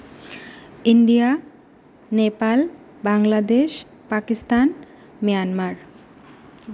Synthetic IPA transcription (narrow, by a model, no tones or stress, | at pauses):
iɳɖija | nepal | baŋlad̪eʃ | pakist̪an | mijanmaɾ